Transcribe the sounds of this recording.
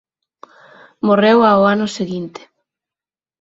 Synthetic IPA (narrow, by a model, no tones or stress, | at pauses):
morewaoanʊseɣint̪e̥